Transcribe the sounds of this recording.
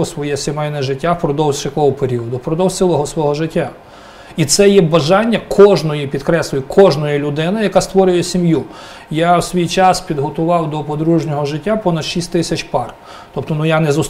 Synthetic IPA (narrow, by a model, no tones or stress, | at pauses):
ɔsʋɔjɛsʲemɛjnɛʒɪtʲːawpɾɔd̪ɔwzt͡ʃɐkɔɦɔpeɾʲiɔd̪ʊpɾɔd̪ɔwsɪlˠɔɦɔsʋɔɦɔʒɪtʲːa | it̪sɛjɛbɐʒɑnʲːɐkʰɔʒnɔjipʲid̪̚kɾɛslʲʊjʊkʰɔʒnɔjɛlʲʊd̪ɪnɐjɐkɑst̪ʋɔɾʲʊjɛsʲimju | jawsʋʲijt͡ʃɑspʲid̪ɦɔt̪ʊʋɑwd̪ɔpɔd̪ɾuʒnʲɔɦɔʒɪtʲːapɔnɐd̪ʃisʲtʲt̪ɪsʲɐt͡ʃpɑr | t̪ɔp̚t̪ɔnujanɛzʊs